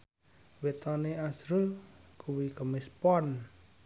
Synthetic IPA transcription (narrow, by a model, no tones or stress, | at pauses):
wet̪ɔneasɾulkʰuwikəmespɔn